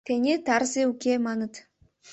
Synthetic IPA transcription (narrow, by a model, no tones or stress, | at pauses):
t̪enʲet̪ɑrzʲeukʲemɑnə̆t̪